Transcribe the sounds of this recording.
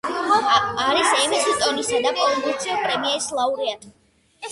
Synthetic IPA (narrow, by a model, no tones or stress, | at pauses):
aɾisɛmisit̪ʼɔnisad̪apʼɔlɔɡut̪sʰiɔpʼɾɛmiɛislˠauɾiat̪ʰ